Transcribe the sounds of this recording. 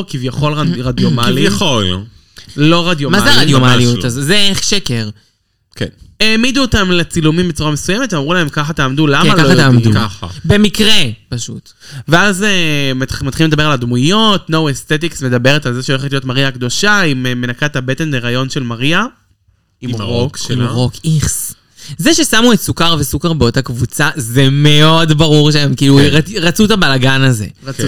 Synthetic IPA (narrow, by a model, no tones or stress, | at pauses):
kivjaχo̞laʁad̪jomaliχo | lo̞ʁad̪jomazɛaʁadjomaaliuazezeʃekeʁ | keneːmid̪uotamlet͡silumimbet͡suʁamesujemeteamʁulaemkaχat̪aːmdulamalkaoaeaukaχa̰bemikʁepaʃut̪ | veazemat̪χilimed̪abe̞alad̪mujo̞tnowe̞st̪et̬iksme̞d̪abe̞ʁetalzeʃeoleχetlio̞tmaʁiakd̪o̞ʃaimeme̞nakatabete̞nleʁajo̞nʃe̞lmaʁia | imkmʁokiχs | zeʃesamuetsukaʁvesukaʁbeo̞t̪akvut͡sazeme̞o̞dbaʁuʁʃeemkiːluʁaʁat͡sut̪abalaɡanaze̞̰